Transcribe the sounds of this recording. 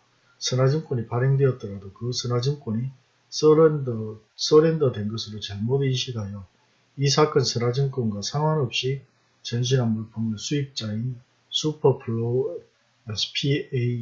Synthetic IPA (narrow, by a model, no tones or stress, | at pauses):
sʰɯnad͡ʑink͈oɲipaɾeŋdweʌt̚t͈ʌɾadokɯsʰɯnad͡ʑink͈oni | s͈ʌɾendʌdwe̞nɡʌsʰɯɾot͡ɕaɭmodɯinɕʰiɡɦajʌ | is̬ʰak͈ʌnsʰɯnad͡ʑiŋk͈onɡasʰaŋɦwanʌp̚ɕ͈i | t͡ɕʌnɕ̬ʰinanbuɭpʰoŋʌsʰuip̚t͡ɕ͈ain | sʰupʰʌpʰuɭːo | esʰpʰie